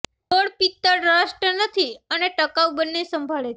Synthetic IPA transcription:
t̪oɽpit̪ːəɽɾaʃʈənət̪ʰiəneʈəkaʋbənːesəmbʱaɭet͡ʃʰe

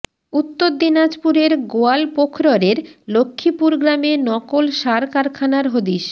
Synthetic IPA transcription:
ut̪ːoɾd̪inad͡ʑpuɾeɾɡoalpokʰɾoɾeɾlokʰːipuɾɡɾamenɔkolʃaɾkaɾkʰanaɾɦod̪iʃ

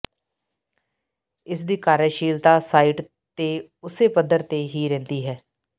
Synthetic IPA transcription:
ɪsd̪iːkaːɾəʃiːlt̪aːsaːiːʈ | t̪eː | ʊseːpəd̪əɾt̪eːɦiːɾɛ̃ːnd̪iːɦɛː

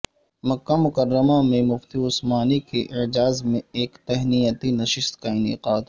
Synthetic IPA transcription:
mɐkːamʊkəɾːəmamẽmʊft̪iʊsmaːnikeʔɪd͡ʒaːzmẽeːkt̪ɛɦnijət̪inɐʃɪst̪kaɪnɪ̰qaːd̪

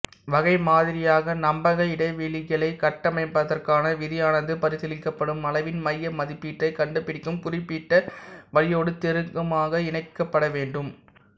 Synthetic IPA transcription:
ʋɐɣɐɪmaːðɪɾɪjaːɣɐnɐmbɐɣɐɪɽɐɪʋiːɭɪɣɐɭɐɪkɐʈːɐmɐɪpːɐðɐrkaːnɐʋɪðɪjaːnɐðɯpɐɾɯsɛlɪkːɐpːɐɽɯmɐlɐɪʋɪnmɐjːɐmɐðɪpːiːʈrɐɪkɐɳɖɯpːɪɽɪkːɯmpʊɾɪpːiːʈːɐʋɐɭɪjoːɽɯt̪ɛɾɯŋkɐmaːɣɐɪɳɐɪkːɐpːɐɽɐʋeːɳɖɯm

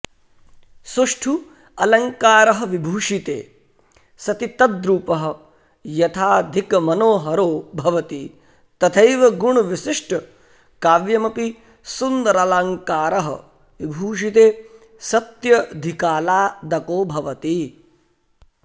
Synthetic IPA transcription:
suʂʈʰu | ɐlɐŋkaːɾɐɦɐʋibʱuːʂit̪ḛː | sɐt̪it̪ɐd̪ɾuːpɐɦɐ̆ | jɐt̪ʰaːd̪ʱikɐmɐnoːɦɐɾoːbʱɐʋɐt̪i | t̪ɐt̪ʰɐjʋɐɡuɳuʋiʃiʂʈʰɐ | kaːʋjɐmɐpi | sund̪ɐɾɐlɐŋkaːɾɐɦɐ̰ | ʋibʱuːʂit̪eː | sɐt̪jɐd̪ʱikaːlaːd̪ɐkoːbʱɐʋɐt̪i

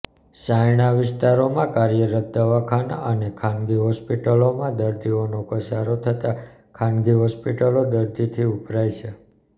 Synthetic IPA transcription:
ʃajnaʋɪst̪aɾomãkaɾjəɾət̪̚d̪əʋakʰanənekʰãnɡiɦɔspiʈəlomãd̪əɾd̪ionokəsaɾot̪ʰət̪a | kʰanɡiɦɔspiʈəlod̪əɾd̪it̪ʰiupɾajt͡ʃʰe

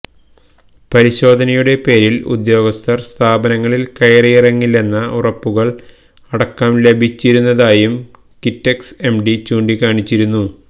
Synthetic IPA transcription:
pɐɾiɕo̞ːd̪ʱɐnɐjuɽe̞pe̞ːɾilṵd̪jo̞ːɡɐst̪ʰɐrst̪ʰaːbɐnɐŋːɐɭilkɐjrijirɐŋːilːe̞nːɐʔurɐpːuɣɐɭ | ɐɽɐkːaːmle̞bʱit͡ɕːiɾunːɐðaːjum | kitːekse̞mɖit͡ɕuːɳɖikaːɳit͡ɕːiɾunːu

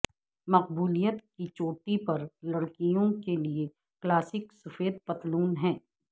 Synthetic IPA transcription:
mɐq̚buːlijət̪kit͡ʃoːʈipɐɾlɐɽkijõkelie | klaːsɪksɐfeːd̪̚pɐt̪luːnɦɛ̃ː

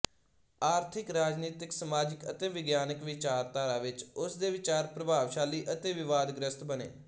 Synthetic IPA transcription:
aːɾt̪ʰɪkɾaːd͡ʒniːt̪ɪksəmaːd͡ʒɪkət̪eːʋɪɡjaːnɪkʋɪt͡ʃaːɾt̪aːɾaːʋɪt͡ʃʊsd̪eːʋɪt͡ʃaːɾpɾəbʱaːʋʃaːliːʔət̪eːʋɪʋaːd̪ɡɾəst̪bənḛː

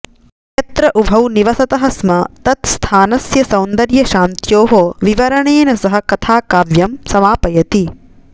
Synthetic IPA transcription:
ɐt̪ɾɐʔubʱɐwniʋɐsɐt̪ɐɦɐsmɐt̪ɐt̪st̪ʰaːnɐsjɐsɐwnd̪ɐɾjɐʃaːnt̪joːɦoʋiʋɐɾɐɳeːnɐsɐɦɐ̆kɐt̪ʰaːkaːʋjɐmsɐmaːpɐjɐt̪i

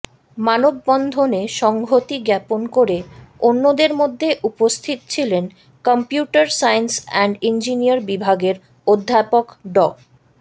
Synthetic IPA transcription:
manobːɔnd̪ʱoneʃɔŋɡʱot̪iɡɛponkoɾeonːod̪eɾmod̪ʱːeʔupost̪ʰit̪ot͡ɕʰilen | kɔmpjuʈaɾsajnsɛɳɖind͡ʑiniaɾbibʱaɡeɾ | od̪ʱːapokɖɔk

